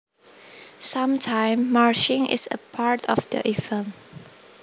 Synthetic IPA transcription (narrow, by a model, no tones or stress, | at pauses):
sãmtʰãɪmːaɹʃɪ̃ŋɪ̰sə̰pʰaɹtʰɔfdə̰ʔifə̃n